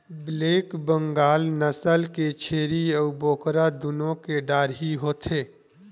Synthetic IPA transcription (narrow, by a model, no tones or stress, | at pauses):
bleːkbə̃ŋɡaːlnəsəlket͡ʃʰeːɾiəuboːkɾad̪ʊnõkeɖaːɾɦiɦoːt̪ʰeː